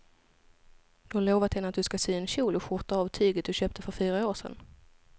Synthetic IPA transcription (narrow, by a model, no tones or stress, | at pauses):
d̪ɵhaloːvat̪hɛnːəat̪̚d̪ɵskasyːɛnɕuːlɔɧʊt̪aɑːvt̪ʰyːɡət̪̚d̪ɵɕøːp̚t̪ʰəfœɾfyːɾaoːʂɛ̰n